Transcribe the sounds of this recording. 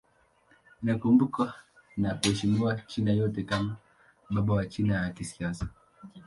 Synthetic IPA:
inakumbukanakuhɛʃimiwat͡ʃinajɔtɛkama | ɓaɓawat͡ʃinajakisiasḁ

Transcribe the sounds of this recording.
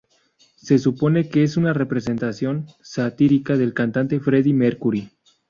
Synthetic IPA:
se̞supo̞ne̞keesunare̞pɾe̞s̬e̞nt̪asjo̞nsat̪iɾikaðe̞lkant̪ant̪e̞fɾe̞ðimeɾkuɾi

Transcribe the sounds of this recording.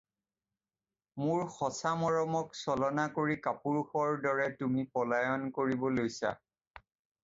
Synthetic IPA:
mʊɹxɔsamɔɹɔmɔksɔlɔnakoɹikapuɹxɔɹdɔɹɛtumipɔlajɔnkoɹibɔlojsa̰

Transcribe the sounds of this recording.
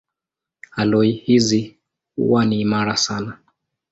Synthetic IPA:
halɔihizi | ṵwaniːmaɾasana

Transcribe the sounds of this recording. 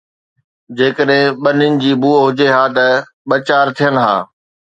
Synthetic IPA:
d͡ʑeːkəɗɦɪ̃ɓɐnɪnɪ̆d͡ʑiːbuːəɦʊd͡ʑeɦaːt̪ɐ | ɓɐt͡ɕaːɾt̪ʰijən̆ɦa̰ː

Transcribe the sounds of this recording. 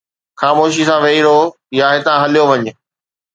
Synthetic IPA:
xaːmoːʃ̬isãʋɐiɾo | jaɦɪt̪ãɦɐlijoʋɐɲɪ̆

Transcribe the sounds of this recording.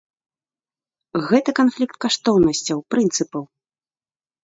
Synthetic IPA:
ɣɛt̪ɐkanflʲikt̪̚kaʂt̪ɔwnɐsʲt͡sʲɐwpɾɨnt̪sɨpɐw

